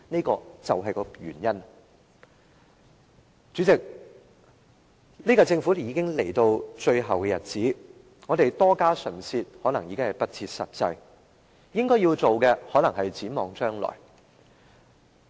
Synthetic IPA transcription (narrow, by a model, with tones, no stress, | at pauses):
ne˥kɔː˧t͡sɐ˨wɦɐ˨jkɔː˧jy̰ː˨˩njɐ˥n | t͡ʃy˨˥t͡sɪ˨k̚ | niː˥kaː˧t͡sɪ˧ŋfuː˨˥jiː˨˧kɪ˥ŋle˨˩jt̪o˧wt͡ʃɵ˧ɥɦɐ˨wkɛː˧jɐ˨t̚t͡siː˨˥ | ŋɔː˨˧d̪e˨jt̪ɔː˥kaː˥sɵ˨˩nsiː˧t̚hɔː˨˥nɐ˨˩ŋjiː˨˧kɪ˥ŋhɐ˨jpɐ˥t̚t͡sʰiː˧t̚sɐ̰˨t̚t͡sɐ˧j | jɪ˥ŋkɔː˥jiː˧wt͡so˨wkɛ˧hɔː˨˥nɐ˨˩ŋɦɐ˨jt͡siː˨˥mɔː˨˧ŋt͡ʃœː˥ŋlɔ̰ː˨˩j